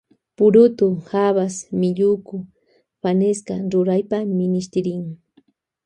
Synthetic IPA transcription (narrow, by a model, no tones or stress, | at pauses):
pʊɾʊt̪ʊxaβasmɪʎʊkʊ | paneskaɾʊɾajpamɪnɪʃt̪ɪɾɪŋ